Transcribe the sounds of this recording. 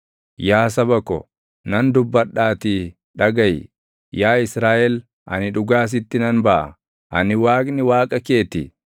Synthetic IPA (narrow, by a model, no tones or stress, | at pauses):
jaːs̬ɐbɐkɔ̰ | nɐnd̪ʊbːɐɗːaːt̪iː | ᶑɐɡɐj | jaːɪsɾaːʔɛl | ʔɐ̰nɪᶑʊɡaːs̬ɪt̪ːɪnɐnbɐʔɐ̰ | ʔɐ̰nɪwaːkʼnɪwaːkʼɐke̞ːt̪ɪ